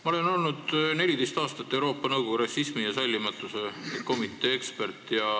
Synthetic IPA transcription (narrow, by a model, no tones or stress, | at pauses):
mɑo̞le̞no̞lnud̪̥ne̞lʲid̪e̞jst̪ɑːst̪ɑt̪ːe̞wɾo̞ːpːˑɑnɤwɡ̥ouɾɑsːismijɑsɑjlʲːimɑt̪ːˑuse̞ko̞mit̪ːˑe̞ːekspe̞rt̪ːˑjɑ